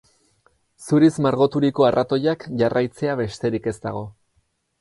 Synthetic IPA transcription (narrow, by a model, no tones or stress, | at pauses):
suɾizmaɾɣo̞t̪uɾiko̞arʔat̪o̞jakʝarʔajt͡se̞aβe̞st̪e̞ɾike̞st̪a̰ɣ̞o̞